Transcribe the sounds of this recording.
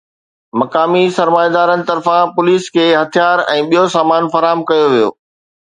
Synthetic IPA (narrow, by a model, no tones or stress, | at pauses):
mɐkaːmisɐɾmaːjad̪aːɾənɪ̆t̪ɐɾfãpʊliːskʰeːɦɐt̪ʰijaːɾɛ̃ːɓijosaːmaːnfɐɾaːmkɐjoʋijo̰ː